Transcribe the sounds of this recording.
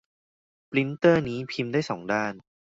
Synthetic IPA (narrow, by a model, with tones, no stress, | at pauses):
pli˦˥nt̪ɤː˥˩niː˦˥pʰi˧mdaː˥˩jsɔː˩˦ŋdaː˥˩n